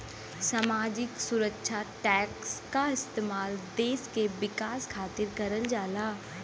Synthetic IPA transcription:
saːmaːd͡ʒɪksʊɾəkːʃʰaʈɛːkskaɪst̪eːmaːld̪eːskeʋɪkaːskʰaːt̪ɪɾkɐɾəld͡ʒaːlaː

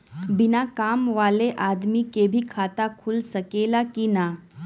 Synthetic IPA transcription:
bɪnakaːmʋaːleʔaːd̪mikebʱikʰaːt̪akʰʊlsɐkeːlakinaː

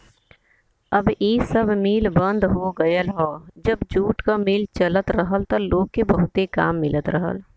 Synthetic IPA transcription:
əbiːsəbʱmiːlbə̃nd̪ɦoɡəjəlɦoːd͡ʒəbd͡ʒuːʈkamɪlt͡ʃələt̪ɾəɦəlt̪oloːɡ̚kebəɦʊt̪eka̰ːmːɪlət̪ɾəɦə̰l

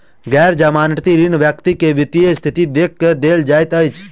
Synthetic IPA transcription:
ɡɛɾd͡ʒamaːnʈt̪iɾinʋjəkt̪ikeʋɪt̪iest̪ʰɪt̪id̪ek̚ːd̪eld͡ʒaːjt̪əjt͡ʃʰ

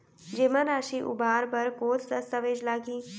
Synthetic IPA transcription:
d͡ʒemãɾaʃiʔṵbʱaɾbəɾkot̪ʰd̪əst̪əʋed͡ʒlaɡiː

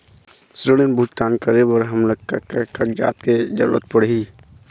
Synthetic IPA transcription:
sɾəɽ̃enbʱut̪̚t̪aːnkəɾebəɾɦəmləkkkəkd͡ʒa̰ːt̪̚ked͡ʒə̰ɾṵɾə̰t̪̚pəɽi

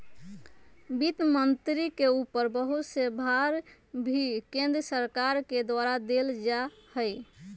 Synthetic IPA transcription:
bit̪mənt̪ɾikeupəɾbəɦut̪sebʱaɾ | bʱikẽnd̪ɾəsəɾkaɾked̪waɾad̪eld͡ʒahəj

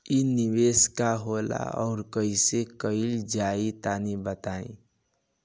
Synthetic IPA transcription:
iniweːskaɦoːla̰ɔ̰ːɾkəɪsekəild͡ʒaːit̪aːnibət̪aːḛ̃

